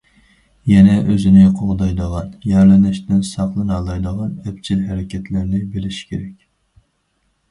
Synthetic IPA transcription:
jɛnɛʔøzɪnɪqʰoʁd̪ɑjd̪əʁɑnjæɾlɛnɪʃt̪ɪnsɑχlˠɨnɑlˠɑjd̪əʁɑnɛpt͡ʃʰilɦæɾɪkʲɛt̪ʰlɪɾnɪbelɪʃkʲʰeɾɛkʲ

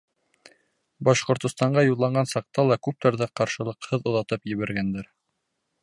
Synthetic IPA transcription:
bɑʃqŏɾt̪ŏst̪ɑɴɢɑjulˠːɑɴɢɑnsɑq̚t̪ɑlˠɑkʉp̚t̪æɾðæqɑɾʃɤ̆lˠɤ̆qhɤðŏðɑt̪ɤpjɘ̆βæɾɡænd̪æɾ

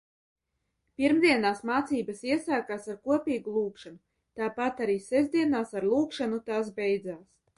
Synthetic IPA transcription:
piɾmd̪ʲiɛnaːsmaːt̪siːbɐsiɛsaːkaːsaɾkuɔpʲiːɡulˠuːkʃanu | t̪aːpat̪aɾiːsɛzd̪iɛnaːsaɾlˠuːkʃanut̪aːsbɛjd̪zaːs

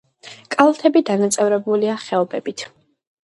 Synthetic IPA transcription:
kʼalˠt̪ʰɛbid̪anat̪sʼɛvɾɛbuliaχɛɔbɛbit̪ʰ

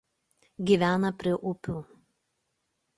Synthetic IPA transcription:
ɡʲiːˑʋʲæːnɐpʲɾʲɪʔʊpʲuː

